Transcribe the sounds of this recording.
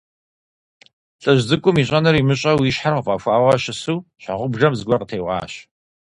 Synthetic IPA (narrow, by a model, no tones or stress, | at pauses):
ɬʼɐʑzɨkʷʼʊmiːɕ̬ʼɐnɨrimɨɕʼɐwiɕħarqəfʼɑxʷaːwɐɕɪsuːɕa̰ʁʷʊbʒɐmzɨɡʷɐqətʰeːʁɑ̰ːɕ